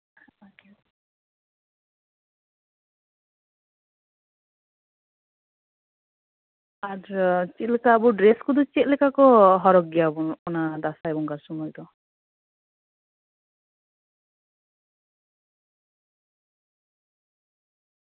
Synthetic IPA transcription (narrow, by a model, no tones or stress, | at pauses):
aɾt͡ʃit̪̚lɛkaːbuɖɾeskud̪ut͡ʃit̪̚lɛkakɔɦɔɾɔɡjabuɔnad̪asajbɔŋkaɾsɔmɔjd̪ɔ